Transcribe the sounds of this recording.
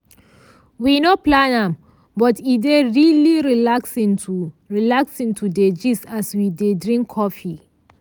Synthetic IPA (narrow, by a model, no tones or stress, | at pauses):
winɔplãnãm | bɔtideɹiliɹilaksĩntuɹilaksĩntʰuded͡ʒisaswidedɹĩŋkʰːɔfi